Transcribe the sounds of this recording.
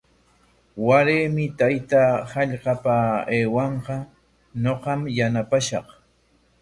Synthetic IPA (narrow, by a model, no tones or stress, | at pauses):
waɾeːmɪt̪ajt̪ahɑʎqɑpaeːwɑɴqɑ | noqɑmjanapaʃɑq